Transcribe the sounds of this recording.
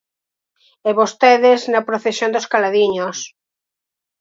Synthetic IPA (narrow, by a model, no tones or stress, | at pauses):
eβost̪eðeznɐpɾoθesjõnd̪oskalaðiɲos